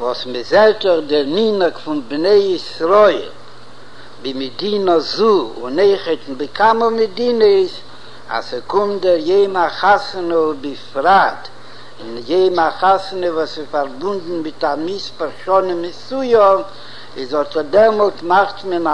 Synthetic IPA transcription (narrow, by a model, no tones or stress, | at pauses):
vɔsmɪzɛɾtɔχdɪɾninəkfʊnbneɪisɾɔɪlˠ | bɪmɪdinəzuʊ̰neɪχətn̩bɪkʰaməmɪdinɪs | a̰sikʊmdɛɾjeɪmaχasnəbɪfɾat | ɪnjeɪmaχasnəvɔsɪfaɾbʊndn̩mɪtamispaɾʃɔnɪmɪsujɔ | ɪzɔtədɛɾmɔlˠtmaχtməna